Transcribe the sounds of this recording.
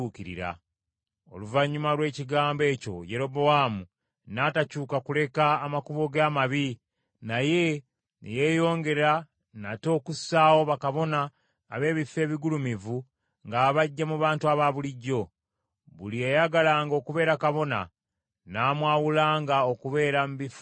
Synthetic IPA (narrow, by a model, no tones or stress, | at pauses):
ukiɾḭɾa̰ | o̞̰luvaɲːumalwe̞ːciɡaːmbe̞ːco̞̰je̞ɾo̞bo̞waːmu | naːtacuːkakule̞kaːmakuβo̞ɡaːmaβi | naje̞ | nḛje̞ːjo̞ːŋɡe̞ɾa | na̰to̞ːkusaːwo̞βakaβo̞naː | βe̞ːβifːe̞ːβiɡulumivu | ŋɡaːβaɟːamuβaːntuaβaβuliɟːo̞ | βṵliejaɡalaːŋɡo̞ːkuβe̞ːɾakaβo̞na̰ | naːmwaːwulaːŋɡao̞kuβe̞ːɾamβifu